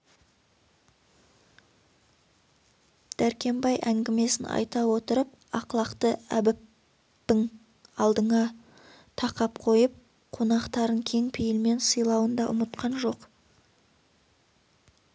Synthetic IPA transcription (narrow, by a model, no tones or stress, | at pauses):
d̪̥æɾkʲe̞mbɑjʔæŋɡʲɪme̞sɪnɑ̰jt̪ɑwo̞t̪əɾəp̚ɑqlˠɑqt̪əæ̰bɪpː | ɪŋ | ɑlˠd̪əɴɑ | t̪ʰɑqɑpqʰo̞jəp̚ | qʰo̞nɑqt̪ɑɾəɴkʲʰe̞ŋpʰɪjɪlme̞nsəjlˠɑwənd̪ɑʔʊ̰mət̪̚qʰɑnʒo̞q